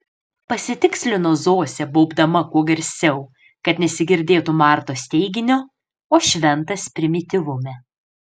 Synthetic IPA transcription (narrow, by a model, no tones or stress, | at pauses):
pɐsʲɪt̪ʲɪksʲlʲɪnoːzoːsʲɛboːbd̪ɐmɐkuɔɡɐɾʲsʲɛʊ | kɐt̪nʲɛsʲɪɡʲɪɾʲd̪ʲeːt̪ʊmɑˑɾt̪oːsʲt̪ʲɛɪɡʲɪnʲoː | oːʃʲʋʲɛnt̪ɐspʲɾʲɪmʲɪt̪ʲɪʋʊmʲɛ